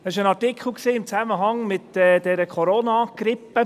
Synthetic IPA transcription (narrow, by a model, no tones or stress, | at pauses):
ɛsɪʃənɑɹtɪkχl̩ˠksiːɪmt͡sæməɦɑŋmɪt̪ɛːd̪ɛɾəkʰɔɾoːnɑːɡ̥ɾɪpːə